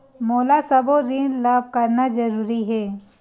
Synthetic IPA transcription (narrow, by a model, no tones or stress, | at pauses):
moːlasɐboɾĩɳɖlaːb̚kɐɾnazɐɾuːɾiɦɛː